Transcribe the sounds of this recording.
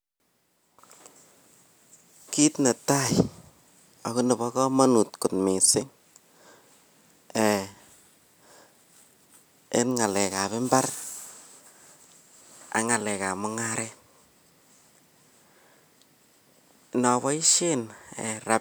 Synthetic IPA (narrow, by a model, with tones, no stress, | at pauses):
ki˦tna˨ta˦˨j | ɔ˨ku˦nɪ˨βɔ˦kɔ˦ma˦nu˨tku˨tmi˨sɪ˦ŋ | ɛ | e˦nŋa˨lɛ˨ka˨βɪ˦mba˦r | a̰˨ŋa˨lɛ˨ka˨mʊ˦ŋaɾɛ˦ | nɔ˨βɔ˦i˦ʃe˦nɛ˨ɾa˦p